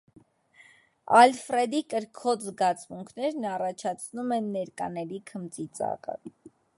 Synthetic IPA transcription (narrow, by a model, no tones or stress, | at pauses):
ɑlfrɛd̪ikəɾkʰɔt͡szɡɑt͡smuŋkʰnɛɾnɑrɑt͡ʃʰɑt͡sʰnumɛnːɛɾkɑ̰nɛɾikʰəmt͡sit͡sɑ̰kə̰